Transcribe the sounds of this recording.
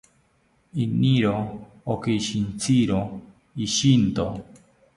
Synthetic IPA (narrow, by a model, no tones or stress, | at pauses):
iniɾoː | keiʃint͡siɾo | iʃint̪o